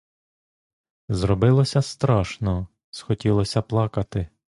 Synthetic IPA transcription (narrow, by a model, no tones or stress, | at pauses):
zɾɔbɪlˠɔsʲɐst̪ɾɑʃnɔ | sxɔtʲilˠɔsʲɐplˠɑkɐt̪ɪ